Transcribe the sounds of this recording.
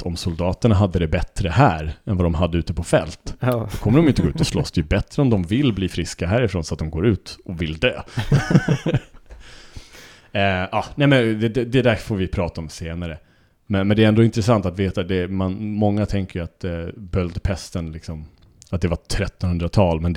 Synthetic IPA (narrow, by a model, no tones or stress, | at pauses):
ɔmsʊld̪ɑːt̪əɳaɦad̪ːəd̪ɛbɛt̪ɾəhæːɾɛnvad̪ɔmɦad̪ːəʉ̟ːt̪əpʰɔfɛlt̪sɔkʰɔmːəɾɔmjʏnt̪əɡoʉ̟ːt̪ɔslɔsd̪ɛjʉbɛt̪ːɾəɔmd̪ɔmvɪlːbliːfɾɪskaɦæːɾɪfɾoːnsɔat̪̚d̪ɔmɡoːɾʉ̟ːt̪ɔvɪld̪øː | ɑːnɛɪmɛnd̪ɛd̪ɛd̪ɛd̪æfoːɾvɪpʰɾɑːt̪aɔmseːnaɾə | mɛnmɛnd̪ɛɾɛnd̪oːɪnt̪ɾəsant̪at̪veːt̪ad̪ɛmanmɔŋːat̪ʰɛŋkəjʏat̪bœld̪pʰɛst̪ənlɪksɔm | at̪̚d̪ɛvaʈʰɾɛt̪ːɔnhɵnd̪ɾat̪ʰɑːlmɛn